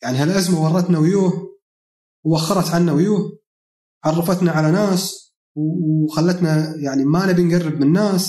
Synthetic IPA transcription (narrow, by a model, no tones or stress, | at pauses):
jaʕniɦalʔazmawɑrˤːɑt̪nawjuːh | wwaxːɑɾˤɑt̪ʕanːawjuːh | ʕɑrˤːɑfat̪naʕalanaːs | wxalːat̪najaʕnimaʔnabjɪnɡarːɨb̚mɪnːaːs